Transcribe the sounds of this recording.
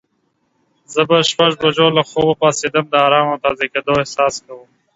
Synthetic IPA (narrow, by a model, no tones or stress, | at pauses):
zəbɐʃpɐʐbɐd͡ʒoːlɐxoːbɐpaːseːd̪ɐmd̪əaːɾaːmot̪aːzekeːd̪oːehsaːskɐwuːm